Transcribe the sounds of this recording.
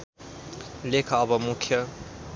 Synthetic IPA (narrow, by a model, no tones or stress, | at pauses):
lekʰʌːbʌmukʰjʌ